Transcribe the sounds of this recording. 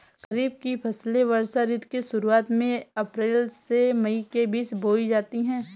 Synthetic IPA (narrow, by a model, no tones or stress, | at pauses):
kɐɾiːb̚kipʰɐsleʋɐɾsaɾɪt̪keʃʊɾuaːt̪mẽɐpɾeːlsemɐikebiːsboːid͡ʒaːt̪iɦɛ̃ː